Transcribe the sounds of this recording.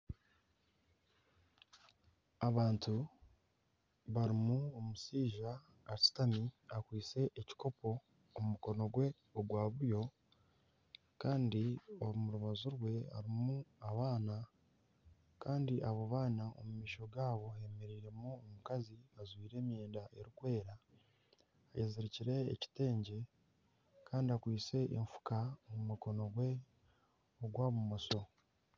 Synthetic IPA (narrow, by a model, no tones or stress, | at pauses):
aβaːntʰu | βaɾimuomusiːʒaː | ɾisi̥tamiakwiːt͡se̞ʔeci̥ko̞po̞ː | mumuko̞no̞ɡwe̞ | oɡwaːβuɾjo̞ | kaːndioumuɾuβazuɾwe̞a̰ɾimuaβaːna | kaːndiʔaβo̞βaːnao̰mumiːʃo̞ɡaːβo̞e̞meɾiːɾe̞muomukaziazwiːɾe̞ːmjeːndaʔe̞ɾikwe̞ːɾa | jeziɾiciɾe̞̰ːci̥te̞ːɲɟe̞ | kaːndiakwiːse̞ʔḛɱfu̥kamumuko̞no̞ɡwe̞ | oɡwaːβumoso̞